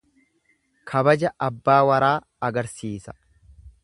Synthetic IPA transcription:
kʰɐbɐd͡ʒɐʔɐbːaːwɐɾaː | ɐɡɐɾsiːsɐ̥

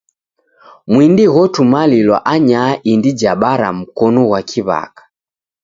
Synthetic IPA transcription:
mwindiɣɔtumalilwa̰ʔaɲaːʔindid͡ʒaɓaɾa̰m̩kɔnɔɣwakʰiβa̰kḁ

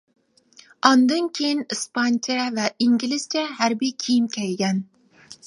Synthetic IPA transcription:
ɑnd̪ɨnkʲʰejinɨspɑnt͡ʃʰɛvɛʔiŋɡʲilɪzt͡ʃʰɛɦæɾbijkʲʰijimkʲʰæjɡʲɛn

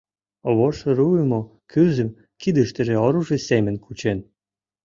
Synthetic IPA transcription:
oβoʃĕɾuəmokʰyzə̆m | kid̪ə̆ʃt̪ə̆ʒĕoɾuʒesemə̆nkʰut͡ɕen

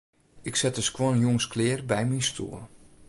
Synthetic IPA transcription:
ɪksɛtdəskwɔnnjoŋsklɪːrbɛjminstʰṵːl

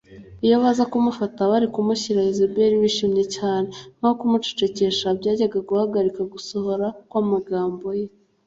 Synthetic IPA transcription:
ijoβazakumufataβaɾikumuçiɾajezebeɾiβiʃimɲe̞caːne̞n̥aokumut͡ʃe̥t͡ʃe̞ce̞ʃabɟaːɟaɡaɡuhaɡaɾikaɡuso̞ho̞ɾakwaːmaɡaːmbo̞je

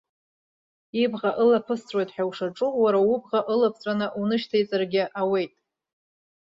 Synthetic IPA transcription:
ibʁaʔɨlapʰɨst͡sʰʼwe̞jtʼħᶣawʂaʈ͡ʂʼuwaɾawubʁaʔɨlapʰt͡sʷʼanɨʔunɨʃtʰajt͡sʼarɡʲɪʔawe̞jtʼ

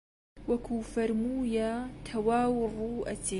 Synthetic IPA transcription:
wakuːfaɾmuːjat̪ʰawaːwrˤuːʔat̪i

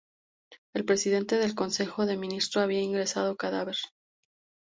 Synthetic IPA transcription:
e̞lpɾe̞siðe̞nt̪e̞ðe̞lko̞nse̞xo̞ðe̞mĩnist̪ɾoaβ̞iaiŋɡɾe̞sað̞o̞kaðaβe̞ɾ

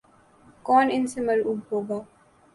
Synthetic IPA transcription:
kɔːnɪnsɪməluːbɦoːɡaː

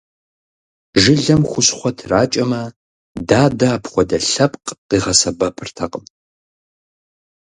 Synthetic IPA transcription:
ʒɨɮɐmχʷʊɕχʷɔtʰraːt͡ʃʼɐmɐ | daːdɐːpʰχʷɔdɐɬɐpʼqqiːʁɐsɐbɐpʰɨrtʰɐqʼəm

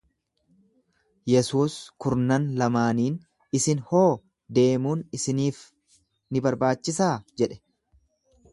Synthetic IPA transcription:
jɛsuːskʊɾnɐnlɐmaːniːn | ɪsɪnho̞ː | d̪e̞ːmuːnɪsɪniːf | nɪbɐɾbaːt͡ʃːɪsaːd͡ʒɛᶑɛ̥

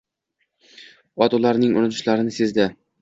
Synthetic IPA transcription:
ɒd̪ɒlaɾnɪŋʊ̰nʊt̪ʰʊʃlaɾɪnɪse̞zd̪ɪ

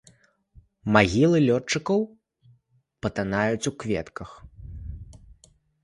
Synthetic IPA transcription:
maɣʲilˠɨlʲɔt͡ʂːɨkɐw | pɐt̪anajut͡sʲukvʲɛt̪kɐx

